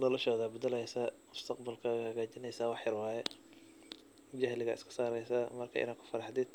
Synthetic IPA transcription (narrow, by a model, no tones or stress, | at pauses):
nɔlɐʃɔːðɐbɐd̪ɐlɛjsɐmʊst̪ʰɐqbɐlkʰɐhɐɣaːt͡ʃɪnɛjsaːwɑħjɐrwɑːjɛ | d͡ʒɐhlɪɣɐ̰ʔɪskʰɐ̥saːɾɛjsɐmɐrkʰa̰ːʔɪ̰naːkʰʊ̥fɐɾɑħd̪ɪd̪̚